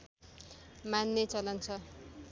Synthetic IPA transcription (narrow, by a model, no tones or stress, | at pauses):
manːet͡sʌlʌnt͡sʰʌ